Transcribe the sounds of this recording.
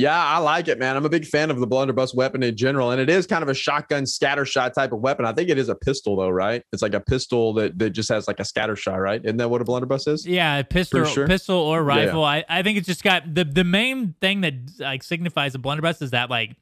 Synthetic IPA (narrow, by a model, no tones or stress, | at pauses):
jæaɪlaɪkɨt̚mæ̃ñãɪ̃məbɪɡ̥fæ̃nʌvðəblʌ̃ndə˞bʌswɛpɨ̃nɨ̃nd͡ʒɛnə˞l̩ˠə̃nɨɾɪz̥kʰãɪ̃ndʌvɨʃɑk̚ɡʌ̃nskæɾə˞ʃɑɪtʰaɪpʌvwɛpɨ̃naɪθɪ̃ŋkɨɾɨzəpʰɪstl̩ˠðoʊɹaɪt̚ɨtslaɪkɨpʰɪstl̩ˠðɨt̪̚ðɨt̚d̥ʒ̥ʌst̚hɨzlaɪkɨskæ̰ɾə˞ʃɑ̰ɪɹaɪt̚dɪɨdⁿn̩ðɨt̚wʌɾəblʌ̃ndə˞bʌsɪz̥jæɨpʰɪstl̩pɪstl̩ˠə˞ɹaɪfl̩ˠaɪʔaɪθɪ̃ŋkɨtsd̥ʒ̥ʌsɡ̥ɑt̚ðɨðɨmẽɪ̃nθɪ̃ŋðɨt̚laɪksɪɡ̚nɨfaɪzəblʌ̃ndə˞bʌsɨzðɨt̚ˡlaɪk